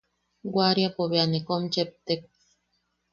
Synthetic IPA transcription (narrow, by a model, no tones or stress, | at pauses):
ɡwaɾjapoβeanekomt͡ʃep̚t̪ek̚